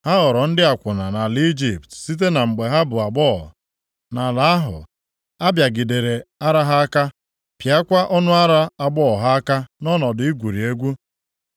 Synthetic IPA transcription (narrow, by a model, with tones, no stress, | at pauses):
ha˦ɦɔ˨ɾɔ˨n̩˦dɪ˦a˨kʷʊ˨na˨na˨li˦d͡ʒi˨ptsi˦t̬e˦na˨ŋ͡m̩˨ɡ͡be˨ɦa˦bʊ˨a˨ɡ͡bɔ˦˨ | na˨la˨˦a˦ɦʊ̰˨ | a˦bja˨ɡi˨de˨ɾe˨a˦ɾa˦ɦa˦a˦ka˦ | pja˦kʷa˦ʔɔ˦nʊ˦a˦ɾa˦a˨ɡ͡bɔ˦˨ɦa˦a˦ka˦nɔ˦nɔ˨dʊ˨˦i˦ɡʷu˨ɾi˨e˦ɡʷu˦